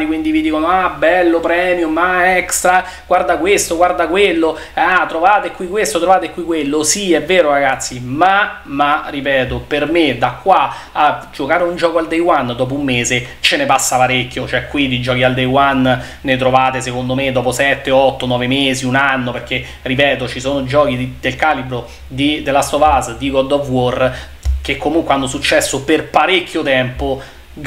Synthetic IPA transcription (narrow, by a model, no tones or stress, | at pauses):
t̪ikwind̪ivid̪iːkonoabːɛlːopɾɛːmjumaɛkst̪ɾa | ɡ̥ward̪akwest̪oɡward̪akwelːo | at̪ːɾovaːt̪ekwikːwest̪ot̪ɾovaːt̪ekːwikːwelːosiɛvːeːɾoɾaɡat̪sːimamarːipɛːt̪̬opermed̪akːwaad͡ʒokaːɾeund͡ʒɔːkoald̪ejwand̪ɔːp̬oumːeːzet͡ʃenepasːapaɾekʲːjot͡ʃoɛkːwid̪id͡ʒɔːk̟iald̪ejwanː | et̪ɾovaːt̪esekond̪omed̪ɔːposɛt̪ːeɔt̪ːonɔːvemeːziunanːoperk̟e | ripɛːt̪ot͡ʃisoːnod͡ʒɔːk̟id̪elkaːlibɾo | d̪id̪elast̪ovazd̪iɡɔd̪ɔvwor | k̟ekːomuŋkweanːosut͡ʃːɛsːoperpaɾekʰʲːjot̪ɛmpo | ɡ